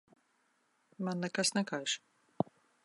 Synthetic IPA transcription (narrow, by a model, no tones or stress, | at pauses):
manːɛkasnɛkajʃ